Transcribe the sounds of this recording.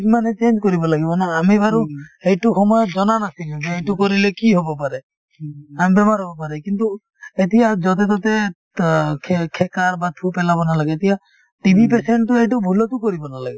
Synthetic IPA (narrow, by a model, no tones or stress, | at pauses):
manet͡ʃend͡ʒkɔɾibɔlaɡibɔnaːmibʱaɾuejʈuxɔmɔjɔd͡ʒɔnanasilibejʈukɔɾilekiɦobɔpaɾe | amibemaɾɔbɔpaɾekint̪u | et̪iad͡ʒɔt̪̬et̪ɔt̪e | kʰkʰekaɾbat̪ʰupelabɔnalaɡeet̪ija | ʈibʱip̬eseɳʈuejʈ̬ubʱulɔtukɔɾibɔnalaɡibɔ